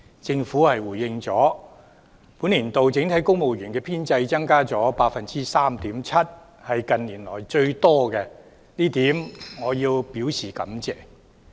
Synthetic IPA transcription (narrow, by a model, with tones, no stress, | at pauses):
t͡sɪ˧ŋfuː˨˥hɐ˨jwuː˨˩jːɪ˧ŋt͡sɔː˨˥ | puː˨˥nliː˨˩nt̪o˨wt͡sɪ˨˥ŋt̪ʰɐ˨˥jkʊ˥ŋmo˨wjyː˨˩nkɛː˧pʰiː˥nt͡sɐ˧jt͡sɐ˥ŋkaː˥t͡sɔː˨˥paː˧k̚fɐ˨nt͡siː˥saː˥mt̪iː˨˥mt͡sʰɐ˥t̚ | hɐ˨jkɐ˨nliː˨˩nlɔː˨˩jt͡ʃɵ˧ɥt̪ɔː˥kɛ˧ | niː˥t̪iː˨˥mŋɔː˨˧jiː˧wpiː˨˥wsiː˨˩kɐ̰˨˥mt͡sɛː˨